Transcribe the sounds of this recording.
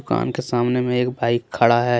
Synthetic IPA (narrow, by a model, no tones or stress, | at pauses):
ʊka̰ːnkesaːmnemẽeːkbʱaːɪkʰːəɽaɦɛ